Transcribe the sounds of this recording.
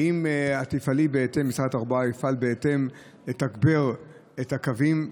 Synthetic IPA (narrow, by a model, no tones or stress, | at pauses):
imat̪ifalibeet̪e̞mːisʁataʁbaaifalbeet̪e̞m | letakbeʁ | ethakavim